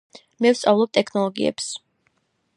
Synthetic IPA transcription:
mɛvt̪sʼavlˠɔb̚t̪ʼɛkʰnɔlˠɔɡiɛ̰ps

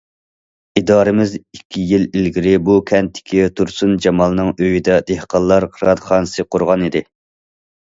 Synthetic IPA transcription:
id̪ɑːɾɨmɪzikʲʰːijililɡʲiɾɪbukʲʰɛnt̪ʰːɪ̥kʲʰit̪ʰuɾsund͡ʒɑmɑlˠnɨŋøjid̪ɛd̪ehqɑlˠːɑɾqʰəɾɑd̪χɑnɨsɨqʰʊɾʁɑnid̪ɪ

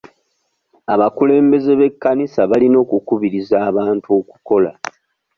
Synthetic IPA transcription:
aβakule̞ːmbe̞ze̞βe̞kːanisaβalino̞ːkukuβiɾizaːβaːntuo̞ːku̥ko̞la̰

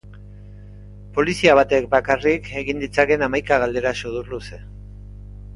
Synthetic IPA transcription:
po̞lisiaβ̞at̪e̞k̚bakarike̞ɣind̪it͡sake̞namajkaɣ̞ald̪e̞ɾasoðurluse̞

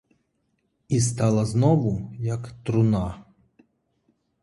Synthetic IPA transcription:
is̬t̪ɑlˠɐznɔʋʊjɐkt̪ɾʊnɑ

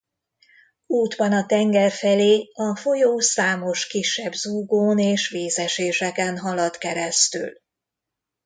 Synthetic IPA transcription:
uːd̪bɒnɒt̪ɛŋɡɛrfɛleːɒfo̞joːsaːmo̞ʃkiʃːɛbzuːɡoːneːʃʋeːsɛʃeːʃɛkɛnɦɒlɒt̪kɛɾɛst̪y̰l

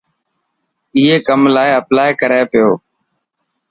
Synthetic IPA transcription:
ɪːeːkəmlaːeəplaːekəɾeːpɪjoː

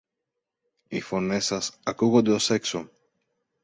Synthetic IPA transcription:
ifo̞ne̞sɐsɐkuɣond̪e̞o̞se̞kso̞

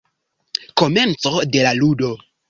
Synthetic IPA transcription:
koment͡sodelaludo

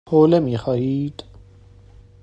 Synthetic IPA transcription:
hoːlemiːxɑːhiːd̪̥

